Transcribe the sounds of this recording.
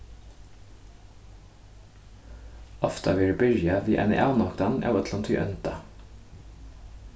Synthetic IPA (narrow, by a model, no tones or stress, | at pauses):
ɔft̪ɑʋiːɖːbʏɾjɑʋiːʔɛ̰nə̰ʔɑːnɔkd̪ɑnʔɛ̰ːʋət̪ʰlɑnt̪ʰy̰ːʔœnt̪ɑ